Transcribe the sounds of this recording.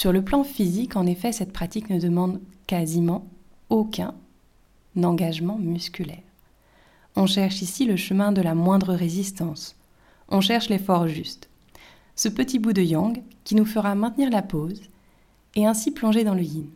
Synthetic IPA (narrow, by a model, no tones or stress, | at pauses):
syʁləplɑ̃fizikɑ̃nefɛsɛt̪pχat̪iknəd̪əmɑ̃d̪kazimɑ̃okʲɛ̃ | nɑ̃ɡaʒmɑ̃myskʲylɛːʁ | ɔ̃ʃɛʁʃisiləʃəmɛ̃d̪əlamwɛ̃d̪ʁəʁezist̪ɑ̃s | ɔ̃ʃɛʁʃlefɔʁʒyst̪ | səpət̪ibud̪əjɑ̃ɡkʲinufəʁamɛ̃t̪niʁlapoz | ɛɛ̃siplɔ̃ʒed̪ɑ̃ləjin